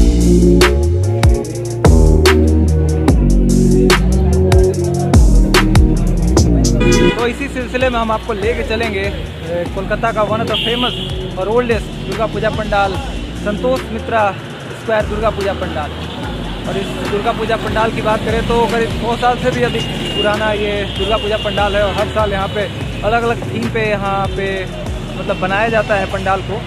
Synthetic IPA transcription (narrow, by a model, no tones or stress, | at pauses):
t̪oɪsisɪlsɪlemẽɦɐmaːp̚koleːket͡ʃɐlẽːŋɡeː | kolkət̪akaʋɐnət̪ɔpʰeːməsɔːɾoːlɖeːs | d̪ʊɾɡapuːd͡ʒapɐ̃ɳɖaːl | sə̃nt̪oːst̪mɪt̪ɾa | skwɛːɾd̪ʊɾɡapuːd͡ʒapɐ̃ɳɖaːl | ɔ̰ːɾɪsd̪ʊɾɡapuːd͡ʒapɐ̃ɳɖaːlkibaːt̪̚kɐɾẽt̪oɐɡəɾɪd̪ɔːsaːlsebʱiɐd̪ʱɪk | pʊɾaːnajed̪ʊɾɡapuːd͡ʒapɐ̃ɳɖaːlɦɛɔːɾɦɐɾsaːljɐɦãpe | ɐləɡɐləɡ̚ʈ̪ʰiːmpejɐɦãpe | mɐt̪ləbːɐnaːjad͡ʒaːt̪aɦɛpɐ̃ɳɖaːlko